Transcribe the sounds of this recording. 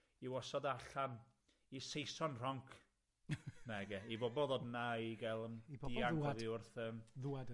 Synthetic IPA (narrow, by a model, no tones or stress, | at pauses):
iwɔsɔdaɬan | isejsɔnr̥ɔŋkʰ | naɛɡɛibɔbɔðodnaiɡɛlˠəmidiaɡðiʊrθəːmðuad